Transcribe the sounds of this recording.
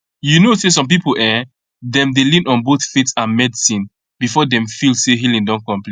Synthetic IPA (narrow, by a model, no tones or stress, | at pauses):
junoses̬ɔ̃mp̬ipoɛ | dɛ̃mdelĩnɔ̃nboθfitsãnmɛdisĩn | bifɔdɛ̃mfilseɦilĩndɔ̃nkɔ̃mpli